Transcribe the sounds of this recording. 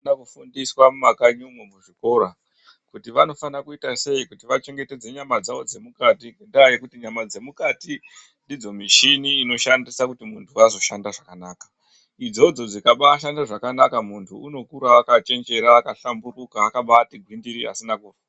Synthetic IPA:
nakufundiswamumakaɲumwemuʐiko̞ːɾa | kutiʋano̞fanakuitase̞ikutiʋat͡ʃe̞ŋɡe̞te̞d͡ze̞ɲamad͡zaʋo̞d͡ze̞mukatiŋɡendaajekutiɲamad͡ze̞mukati | ndid͡zo̞miʃiniːno̞ʃandisakutimuntʰuazo̞ʃandaʐakanaːkḁ | id͡zo̞d͡zo̞d͡zikaɓaːʃandaʐakanakamuntʰuuno̞kuɾaːkat͡ʃe̞nd͡ʒe̞ɾaːkaɬamburukaːkaɓatiɡʱwindiɾia̰sinakuːra

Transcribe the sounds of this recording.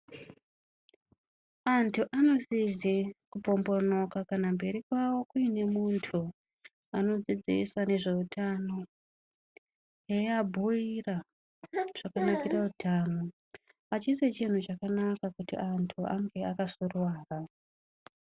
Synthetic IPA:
antʰuʔano̞zizikupo̞mbo̞no̞kakanambe̞ɾikwawo̞kuine̞muntʰu | ano̞d͡zid͡zḭsane̞ʐe̞utʰano̞ | jejabʱuira | ʐ̥akanakirautaːno | at͡ʃiset͡ʃin̤ut͡ʃakanakakutḭantʰuʔa̰ŋɡe̞akasurwaːra

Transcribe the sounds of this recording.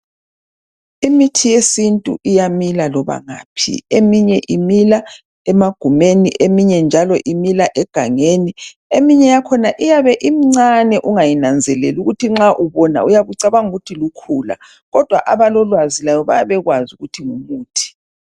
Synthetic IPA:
imitʰijesintʼṵʔijamilalɔβa̰ŋa̰ːpʰḭemiɲɛʔimila | ɛmaɡ̥ʱumeniʔemiɲɛnd͡ʒʱalɔʔimilaʔɛɡ̥ʱaŋeni | emiɲɛjakʰɔnaʔijaβɛʔim̩ŋ͡ǀanɛʔuŋajinand͡zʱɛlɛluɣutʰiŋ͡ǁaʔuβɔna̰ujaβuǀaβaŋuɣutʰilukʰuːla̰ | ɣɔd̥ʱwaʔaβalɔlwazilajɔβa̰jaβɛɣwazuɣutʰiŋumuːtʰi̥

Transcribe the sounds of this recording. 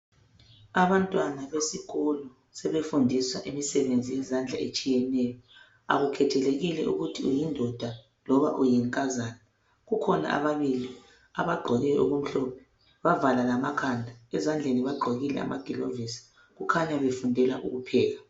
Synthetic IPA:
aβantʼwanaβesiɣɔlɔ | sɛβefundʱiswa̰ʔimisɛβend͡zʱijɛzand͡ɮʱa̰et͡ʃʼijɛnɛjɔ | a̰ɣukʰɛtʰɛleɣilɛ̰ʔṵɣutʰiṵjindʱɔd̥ʱa | lɔβa̰ʔujɛŋkʼazaːna | ɣukʰɔna̰ʔa̰βaβili | aβaɡ͡ǃʱɔɣɛʔṵɣum̩ɬɔpʰɛ̥ | βavalalamakʰandʱaɛzand͡ɮʱeniβaɡ͡ǃʱɔɣilɛ̰a̰maɡ̥ʱilo̰visi̥ | ɣukʰaɲaβefundʱɛlaʔṵɣupʰɛːɣa

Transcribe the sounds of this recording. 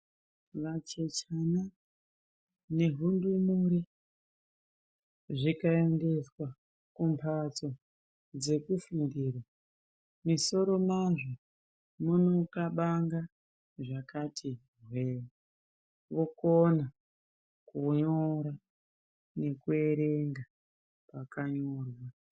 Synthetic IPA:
ʋat͡ʃet͡ʃana | ne̞ɦundumuɾi | ʐikae̞nde̞swa | kumpʰat͡so̞ | d͡ze̞kufindiːrwa | miso̞ɾo̞maʐo | munokaɓaŋɡa | ʐakatʰi | rwewe | ʋo̞kona | kuɲoɾa | ne̞kue̞ɾe̞ŋɡa | pakaɲorwa

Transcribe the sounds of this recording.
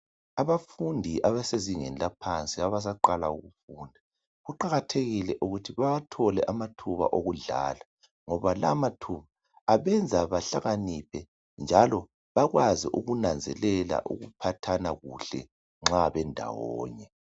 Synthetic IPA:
aβafundʱiʔaβaseziŋɛnilapʰant͡sʼiaβas̬aǃalauɣufuːndʱa | ɣuǃaɣatʰeɣilɛʔuɣutʰiβaatʰɔlɛʔamatʰuβa̰ʔoɣuɮa̰ːla | ŋɔβalamatʰuβaː | βɛnd͡zʱaβaɬaɣanipʰɛ | nd͡ʒʱalɔ | βaɣwaziʔuɣunand͡zʱɛ̰lɛla̰ʔṵɣupʰatʰanaɣuɬɛ̰ | ŋ͡ǁaβɛndʱa̰wɔ̰ːɲɛ

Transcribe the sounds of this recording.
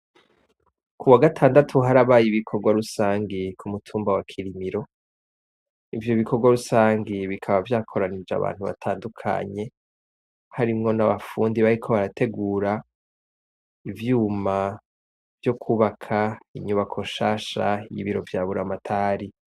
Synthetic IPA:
kuwaɡatʰaːndatʰuɦaɾaβaːjiβikʰo̞ɾɡwaɾusaːŋɡikʰumutʰuːmbawakʰiɾimiɾo̞ | ivjo̞βikʰo̞ɾɡwaɾusaːŋɡiβikʰaβavjaːkʰo̞ɾanid͡ʒa̰βa̰ːn̥huβa̰tʰaːndukʰa̰ɲe̞ | haɾimŋo̞naβafuːndiβaɾikʰo̞βaɾatʰe̞ɡuːɾa | ivjuːma | vjo̞kʰuːβakʰaiɲuβakʰo̞ʃaːʃa̰jḭβiɾo̞vjaːβuɾamatʰaːɾi

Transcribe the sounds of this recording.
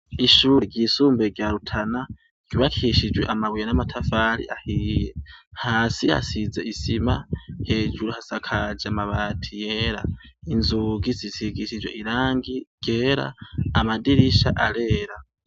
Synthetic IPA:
iʃuːɾiɡjisuːmbeɡjaɾutʰana | ɡ̥iβakʰiʃid͡ʒweʔamaβujanamatʰafaɾḭʔahiːjehaːsiha̰size̞̰ʔisimahe̞ːd͡ʒuɾuhasakʰad͡ʒamaβaːtʰijeːɾa̰inzuɡizisiɡiʃid͡ʒwe̞̰ʔiɾaːŋɡiɡ̥eːɾa̰ːmadiɾiʃaʔaɾe̞ːɾa

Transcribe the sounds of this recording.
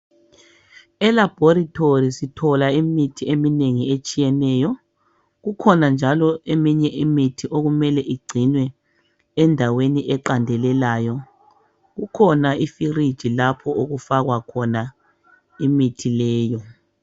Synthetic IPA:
ɛlab̥ʱoɾitʰorisitʰɔlaimitʰiemineŋiet͡ʃʼijɛnɛːjɔ | ɣukʰɔnand͡ʒʱalɔʔemiɲɛʔimitʰiʔoɣumɛlɛʔiɡ͡ǀʱinwɛː | ndʱaweniʔɛǃandʱɛlɛlaːjɔ | ɣukʰɔnaifirid̥ʒ̥ʱilapʰɔʔoɣufaɣwakʰɔna | imitʰilɛːjɔ

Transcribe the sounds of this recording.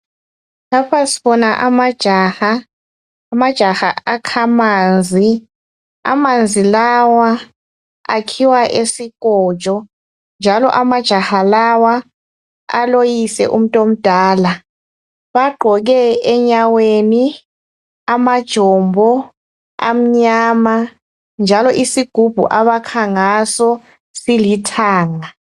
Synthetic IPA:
lapʰasi̥βɔnaʔamad̥ʒ̥ʱaxaː | mad̥ʒ̥ʱaxa̰akʰamaːnd͡zʱi | a̰mand͡zʱilawa | a̰kʰiwaʔesikɔːd̥ʒ̥ʱɔ | nd͡ʒʱalɔ̰ʔamad̥ʒ̥ʱahalawa | a̰lojisɛ̰ʔum̩tʼom̩d̥ʱaːla | βaɡ͡ǃʱɔɣɛɛɲaweni | amad̥ʒ̥ʱɔmbʱɔ | a̰m̩ɲaːma | nd͡ʒʱalɔʔisiɡ̥ʱub̥ʱṵʔaβakʰaŋasɔ | silitʰaːŋa

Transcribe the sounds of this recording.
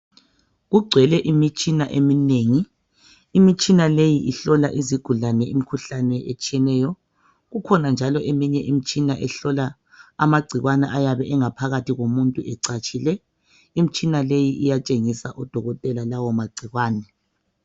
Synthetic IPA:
ɣuɡ͡ǀʱwɛlɛʔimit͡ʃʼinaʔemineːŋiː | mit͡ʃʼinalejiʔiɬɔlaʔiziɡ̥ʱulanɛim̩kʰuɬanɛʔet͡ʃʼijɛnɛːjɔ | ɣukʰɔnand͡ʒʱalɔʔemiɲɛʔim̩t͡ʃʼinaʔɛɬɔlaː | maɡ͡ǀʱiɣwanɛʔajaβɛʔɛŋapʰaɣatʰiɣomuntʼuɛǀat͡ʃʼʰilɛ | im̩t͡ʃʼinalejiʔijat͡ʃʼeŋisaʔɔd̥ʱɔɣɔtʼɛlalawɔmaɡ͡ǀʱiɣwaːnɛ

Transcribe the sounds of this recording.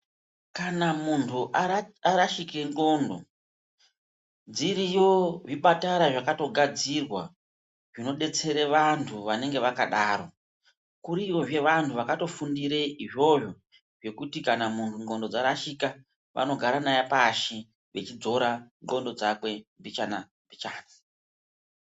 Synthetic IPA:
kanamuntʰuʔaaɾaʃikeŋɡo̞ndo̞̰ | d͡ziɾijoʐiɓataɾaʐakato̞ɡʱad͡zirwa | ʐ̥ino̞ɗe̞t͡se̞ɾeʋantʰuʋane̞ŋɡe̞ʋakaɗaːɾo̞ | kuɾiʋo̞ʐe̞ʋantʰuʋakato̞fundiɾeiʐo̞ʐo | ʐe̞kutikanamuntʰuŋɡo̞ndo̞d͡zaɾaʃika | ʋʔa̰no̞ɡʱaɾanajapaʃi | ʋe̞t͡ʃid͡zo̞ɾaŋɡo̞ndo̞d͡zakwe̞mbit͡ʃana | mbit͡ʃaːna

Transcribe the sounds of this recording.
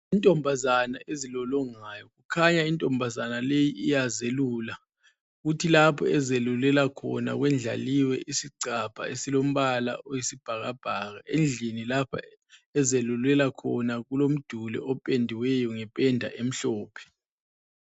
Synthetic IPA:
intʼɔmbʱazanaʔezilɔlɔŋajɔk̬ukʰaɲaintʼɔmbʱazanalejiʔijazelula | ɣ̬utʰilapʰɔɛzelulɛlakʰɔ̰na̰ɣ̬wɛnd͡ɮʱa̰liwɛʔisiǀapʰa̰esilom̩ɓala̰ʔojisib̥ʱaɣab̥ʱaɣaʔend͡ɮʱinilapʰa̰ | ɛzelulɛlakʰɔnakulom̩d̥ʱulɛ̰ɔpʼendʱiwɛjɔŋɛpʼɛndʱa̰ʔem̩ɬɔːpʰɛ̥

